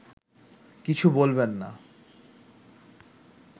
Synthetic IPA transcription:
kit͡ɕʰubolbenːa

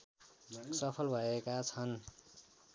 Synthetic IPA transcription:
sʌpʰʌlbʱʌekat͡sʰʌn

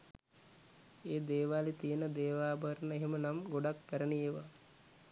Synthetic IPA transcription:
eːd̪eːʋaːlit̪ijənəd̪eːʋaːbʱəɾnəeɦemənamɡoɖakːəɾənijeʋə

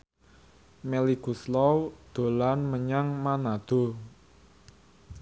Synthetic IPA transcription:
melikuslɔwd̪̥o̤lanməɲaŋmanad̪̥o̤

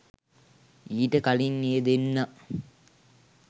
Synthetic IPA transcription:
iːʈəkaliŋːeːd̪enːa

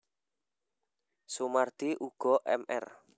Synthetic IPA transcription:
sumard̪̥iʔuɡ̥ɔʔɛmʔɛ̰r

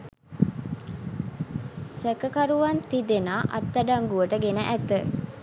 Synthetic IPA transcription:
sekəkaɾuʋant̪id̪enaːʔɐ̰t̪ːəɖaŋɡuʋəʈəɡenəʔæt̪ə

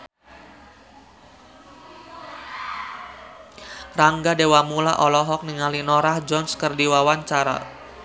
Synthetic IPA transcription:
raŋɡadewamulaʔɔlɔɦɔk̚niŋalinɔɾahd͡ʒɔnskərdiwawaɲt͡ʃaɾa̰

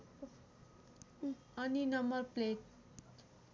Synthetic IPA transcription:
ʌninʌmbʌrplet

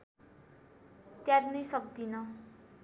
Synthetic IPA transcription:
t̪jaɾinʌjsʌk̚d̪inʌ

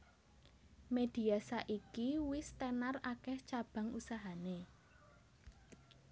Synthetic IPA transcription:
med̪̥i̤asaʔikiwɪst̪ɛnarakɛht͡ʃab̥ä̤ŋusaɦane

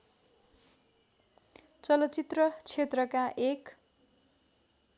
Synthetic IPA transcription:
t͡sʌlʌt͡sit̪rʌt͡sʰet̪rʌkaʔek

